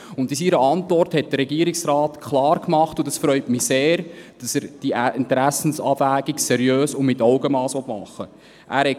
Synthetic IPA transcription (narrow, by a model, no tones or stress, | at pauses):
ʊntɪsiɾəɑntvɔrthɛt̚d̥əɾɛɡiəɾɪksraːtkʰlɑːɾkmɑχtʊdɑsfɾœʏtmiseːɾd̥ɑsəɾd̥iʔɪntɾæsn̩sɑːvæːɡ̥iksɛɾjøːsʊmɪtɔʊɡəmɑːsʋɔtmɑ̰χːə | ʔæ̰ːɾhɛt